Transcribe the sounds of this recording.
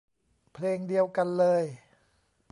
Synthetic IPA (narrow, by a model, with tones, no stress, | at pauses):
pʰleː˧ŋdi˧əwka˧nlɤː˧j